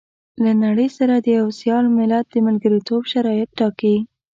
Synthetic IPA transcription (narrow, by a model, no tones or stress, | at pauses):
lanaɽəjsaɾad̪əjawsjɑlmɪlad̪̚d̪əmalɡəɾit̪obʃaɾɑjɪt̪̚ʈɑkai